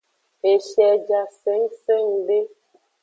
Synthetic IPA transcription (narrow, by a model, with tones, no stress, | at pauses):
e˨ʃɛ˨d͡ʒa˨se˨˦ŋ˦se˦˨ŋ˨be˦